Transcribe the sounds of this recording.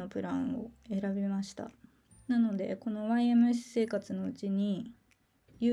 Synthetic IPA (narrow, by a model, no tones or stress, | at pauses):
o̞pɯ̟ɾãɰ̃o̞̰e̞ɾabʲimaɕi̥t̪a̰ | nano̞d̪e̞̰ko̞no̞βaiemɯ̟ɕi̥se̞ːkat͡sɨno̞ɯt͡ɕiɲ̟i | jɯ